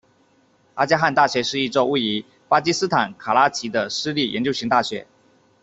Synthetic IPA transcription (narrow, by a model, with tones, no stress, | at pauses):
a̰˥t͡ɕja˥xa˥˧nt̪a˥˩ɕɥɛ˧˥ʂɻ̩˥˧i˥˧ʈ͡ʂo˥˧ʊu˥˩i˧˥ | pa˥t͡ɕi˥sɹ̩˥t̪ʰa˨˩nkʰa˨˩la˥t͡ɕʰi˧˥d̪ə˧ʂɻ̩˥li˥˩jɛ˧˥nt͡ɕjo˥˧ɕi˧˥ŋt̪a˥˩ɕɥɛ˧˥˦